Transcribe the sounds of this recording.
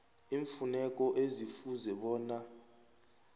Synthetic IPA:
iːɱfunɛk̬ʼɔʔezifuzɛɓɔːna

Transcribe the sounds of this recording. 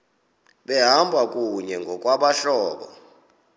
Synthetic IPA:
ɓɛɦambʱak̬ʼuɲɛŋɡʱɔk̬ʼwaɓaɬɔːɓɔ̰

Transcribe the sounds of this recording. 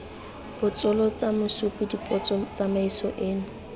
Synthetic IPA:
b̥ʊt͡sʼɔlɔt͡sʼamʊsupʼʊdipʼɔt͡sɔt͡sʼamaisɔ̰ʔeːnʊ

